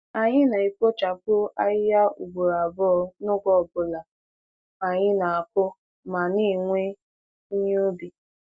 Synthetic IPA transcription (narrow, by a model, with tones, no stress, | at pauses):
a˨ɲɪ˦na˨i˨kʷo˦t͡ʃa˨kʊ˦a˦ɪ˦ja˦ṵ˨ɡ͡bo˨ɾa˨bɔ˦ɔ˦nʊ˦ɡʷɔ˦˨bʊ˨la˨ | a˨ɲɪ˦na˨a˨kʷʊ˦ | ma˨ni˦˨ŋʷe˦ | i˦ɲo˦bi˨